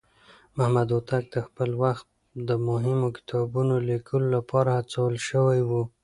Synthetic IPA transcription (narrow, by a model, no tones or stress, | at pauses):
mahmad̪ot̪ak̚d̪əxpəlwaxt̪̚ | d̪əmʊɦɪmokɪ̥t̪ʰɑbunolikʰəlolapʰɑɾahat͡sawəlʃəwajwu